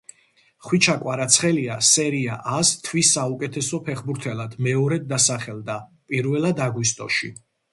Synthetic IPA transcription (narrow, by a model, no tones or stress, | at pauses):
χwit͡ʃʰakʼwaɾat̪sʰχɛliasɛɾiaʔast̪ʰvisːaukʼɛt̪ʰɛsɔpʰɛχbuɾt̪ʰɛlad̪̥mɛɔɾɛd̪̚ːasaχɛld̪apʼiɾvɛlˠad̪aɡwist̪ʼɔ̰ʃḭ